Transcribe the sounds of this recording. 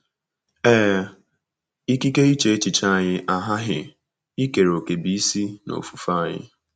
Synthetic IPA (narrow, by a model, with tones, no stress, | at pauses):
ɛː˦ | i˦ki˦ke˦i˦t͡ʃe˨e˦t͡ʃɪ˨t͡ʃa˦˨ɲɪ˦ʔa˦ɦa˦ɦɪ̰˨ | i˦ke˨ɾo˨ke˨bi˨i˦si˦no̰˨fu̥˨fa˦˨ɲɪ̰˦